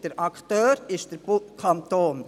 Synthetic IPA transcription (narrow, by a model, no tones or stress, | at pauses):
d̥əɾʔɑkt̪øːɾɪʃd̥əɾb̥ukʰɑnt̪oːn